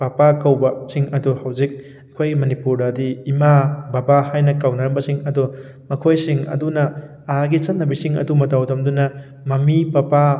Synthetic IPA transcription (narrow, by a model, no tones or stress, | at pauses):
papakɐwbɐsiŋɐduhawd͡ʒik̚ | ɐkʰojɡimɐnipuɾdɐdiːmababahajnɐkawnɐɾɐmbɐsiŋɐdɔ | mɐkʰojsiŋɐ̰dunɐː | aɡit͡ʃɐt̚nɐbisiŋɐ̰dumɐtawdɐmdunɐ | mɐmipɐpa